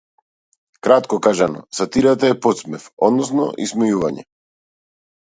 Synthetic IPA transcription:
kɾat̪kɔkaʒanɔ̰sat̪iɾat̪aɛpɔt̪smɛfɔd̪nɔs̬nɔ̰ʔismɛjuvaɲɛ̰

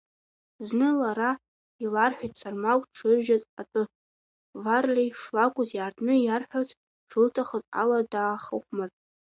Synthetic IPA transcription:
znɨlaɾa | ilarħʷᶣajtʼsarmakʷʼʈ͡ʂʰɨrʒatʼatʼɨ | varlʲejʂlakʷʼʊzjaːrtʰʼnɨjarħʷᶣat͡sʰ | ʈ͡ʂʰlɨtʰaχəzʼa̰ladaːχəχʷmartʼ

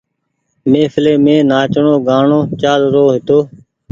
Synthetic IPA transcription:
mẽːfɪleːmẽːnaːt͡ʃəɳoːɡaːɳoːt͡ʃaːlɾoːɦɪt̪oː

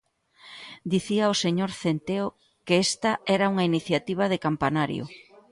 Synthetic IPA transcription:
d̪iθiaoseɲoɾθent̪eo | keest̪ɐɛɾauŋɐiniθjat̪iβ̞ɐðekampanaɾj̰ʊ̰

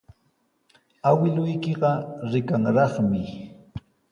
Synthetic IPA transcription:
awɪlʊjkɪɢɑɾɪkaŋɾɑχmɪ

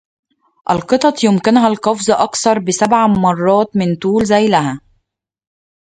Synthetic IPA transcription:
ʔælqɨt̪ˤɑt̪ˤjʊmkɪnɦælqɑfzˤʔɑkθɑɾˤbɪsæbʕamɑrˤːɑːt̪mɪnt̪uːlzæjlæɦæ

